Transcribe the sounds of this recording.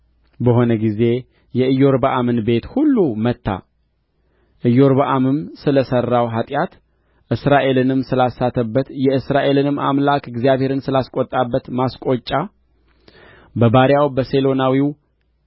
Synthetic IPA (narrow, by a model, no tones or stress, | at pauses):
bəɦo̞nəɡize̞ | jɛɨjːo̞ɾbaʔamɨnbe̞t̪hulːumət̪ːa̰ | ʔɨjo̞ɾbaʔamɨmsɨləsərːawɦat̪ʼjat̪ | ʔɨsɾaʔe̞lɨnɨmsɨlasːat̪ʰəbːət̪jɛɨsɾaʔe̞lɨnɨma̰mlakɪɡzijaβhe̞ɾɨnsɨlaskʷʼot̪ʼːabːət̪maskʼo̞t͡ʃʼːa | bəbaɾjawbəse̞lo̞nawiw